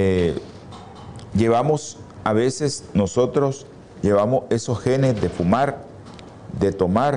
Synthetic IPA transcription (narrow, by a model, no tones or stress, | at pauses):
e | ʝe̞βamos | aβe̞se̞sno̞so̞t̪ɾo̞s | ʝe̞βamose̞so̞sxe̞nezd̪e̞fumaɾ | d̪e̞t̪o̞maɾ